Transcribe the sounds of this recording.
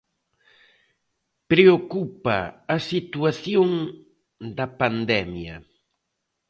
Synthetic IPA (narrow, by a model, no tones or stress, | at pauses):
pɾeokupɐ̰ːsit̪uaθjoŋ | d̪ɐpand̪ɛmjɐ̰